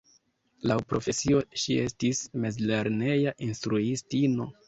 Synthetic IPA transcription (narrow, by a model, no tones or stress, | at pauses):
lawpɾo̞fe̞sio̞ʃie̞stismezle̞ɾne̞jaʔinstɾuistino̞